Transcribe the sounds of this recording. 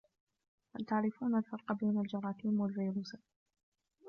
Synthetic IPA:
halt̪aʕɾɪfuːnalfɑɾˤqbeːnald͡ʒɑɾˤɑːkiːmwalviːɾuːs

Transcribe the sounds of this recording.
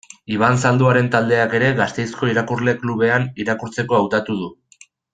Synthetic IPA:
iβ̞ansald̪uaɾe̞nt̪ald̪e̞ake̞ɾe̞ɣast̪e̞jsko̞iɾakuɾle̞kluβe̞aniɾakuɾt͡se̞ko̞awt̪at̪uð̞u

